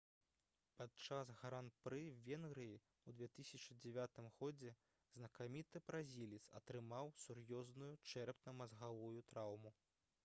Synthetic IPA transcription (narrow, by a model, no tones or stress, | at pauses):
pat̪t͡ʂasɣaɾanpɾɨvʲɛnɣɾɨji | wd̪vʲɛt̪ɨsʲɐt͡ʂɨd͡zʲɛvʲat̪ɨmɣɔd͡zʲɛ | znɐkamʲit̪ɨbɾazʲilʲit̪sɐ̰t̪ɾɨmawsurjɔznujut͡ʂɛɾpnɐmɐzɣavujut̪ɾawmu